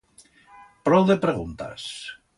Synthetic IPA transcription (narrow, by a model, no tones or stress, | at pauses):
pɾɔwðepɾeɣ̞unt̪a̰s